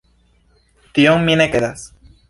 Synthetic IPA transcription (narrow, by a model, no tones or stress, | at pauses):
t̪ioŋmjenekeðas